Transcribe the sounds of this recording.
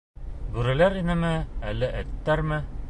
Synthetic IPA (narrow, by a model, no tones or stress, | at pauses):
bʉɾæ̆læɾinɘmɘælɘʔæt̪ːæɾmɘ